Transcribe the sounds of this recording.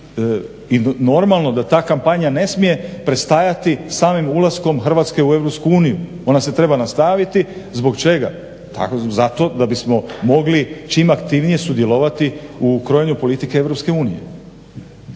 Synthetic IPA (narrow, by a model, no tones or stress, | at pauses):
ino̞ɾmalˠno̞d̪at̪aːkampaɲane̞smije̞pɾe̞st̪ajat̪isaːmimulˠasko̞mxr̩ʋat̪ske̞ue̞ʋɾopskuuːniju | o̞nase̞t̪ɾe̞banast̪aʋit̪i | zbo̞kt͡ʃe̞ɡa̰ | t̪a̰kozat̪o̞d̪abismo̞mo̞ɡlit͡ʃimakt̪iʋnije̞sud̪je̞lo̞ʋat̪iukɾojeɲupo̞lit̪ikeeʋɾo̞pske̞uːnije̞̰